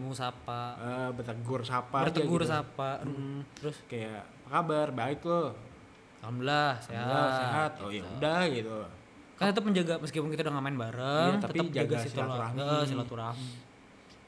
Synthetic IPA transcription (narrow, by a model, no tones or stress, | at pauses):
musapaəbət̪əɡʊrsapabət̪əaɡʊrsapam̩t̪əɾʊskajapəkabarbaɪklo | amlahseɦaseɦat̪ojaudahɡit̪u | kant̪ət̪̬əpməɲd͡ʒaɡaməskipʊnkit̪audaŋamaɪnbaɾəŋat̪aət̪əd͡ʒad͡ʒaɡasist̪ulaasilat̪uɾahmu